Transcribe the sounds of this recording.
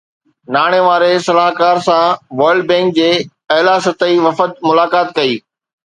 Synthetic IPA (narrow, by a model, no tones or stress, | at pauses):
naːɽ̃eʋaːɾesɐlaːɦkaːɾsãʋɐɾɖ̚bẽːŋk̚d͡ʑeː | ɐɦlaːsɐt̪əiʋɐfət̪mʊlaːkaːt̪̚kɐiː